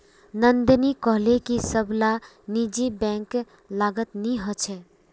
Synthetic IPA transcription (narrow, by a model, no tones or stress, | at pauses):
nənd̪nikəɦlekisəbla | nid͡ʒibɛ̃ːŋk | laːɡət̪nĩɦɔt͡ʃʰɛ